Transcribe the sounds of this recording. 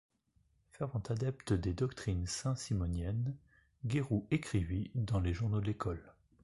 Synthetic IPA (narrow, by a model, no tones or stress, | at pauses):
fɛʁvɑ̃t̪ad̪ɛpt̪əd̪ed̪ɔkt̪χinsɛ̃simɔnjɛn | ɡʲeʁuekχivid̪ɑ̃leʒuʁnod̪əlekʰɔl